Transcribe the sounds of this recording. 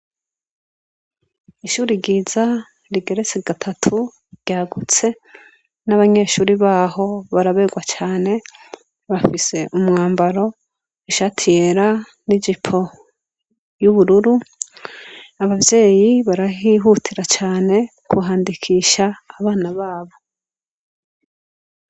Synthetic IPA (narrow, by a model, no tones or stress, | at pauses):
iʃuːɾiɡiːza | ɾiɡe̞ɾe̞t͡seɡatʰatʰu | ɾɟ̥aːɡut͡se̞ | naβaɲe̞ʃuːɾiβaːho̞βaɾaβe̞ɡwat͡ʃaːne̞ | βafise̞ʔumŋaːmbaɾo̞ | iʃatʰijeɾa | nid͡ʒipʰo̞ | juβuɾuɾu | aβavje̞ːjiβaɾaɦiɦutʰiɾat͡ʃaːne̞ | kʰuɦaːndikʰiʃaːβaːnaβaːβo̞